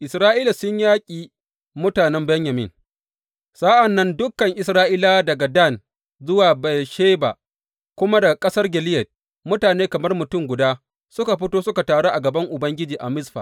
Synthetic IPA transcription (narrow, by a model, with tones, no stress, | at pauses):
ʔɪ˨sɾaː˦ʔiː˦la˨sʊ˦ɲjaː˦kʲʼiː˨ | mʊ˦taː˨nɛ˦mbɛ˦ɲjɐ˨mɪ̰˦ŋ | sa˦ʔɐ˨nːɐ˦ndʊ˦kːɐ˨ŋʔɪ˨sɾaː˦ʔi˦laː˦dɐ˨ɡa˨da˦˨n | zʊ˦waː˨ba˨jʃeː˦ba̰˨ | kʷʊ˦ma˦da˨kʼɐ˦sɐ˦rɡʲɛ˨lɪ˦jɛ˨t̚ | mʊ˦taː˨neː˦kɐ˨mɐ˦rmʊ˨tʊ˦˨ŋɡʷʊ˨daː˦ | sʊ˦ka˨ɸɪ˦toː˦sʊ˦ka˨taː˨ɽo˦ʔa˨ɡɐ˨bɐ˦ŋʔʊ˨bɐ˦ŋɡʲɪ˦d͡ʒiː˨ʔa˨mɪ˦sɸa̰˨